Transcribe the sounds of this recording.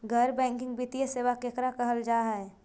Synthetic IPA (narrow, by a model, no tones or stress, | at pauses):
ɡʱəɾbɛ̃ːŋkɪ̃ŋɡbit̪ijeseːʋakekɾakəɦəld͡ʒaːɦɛ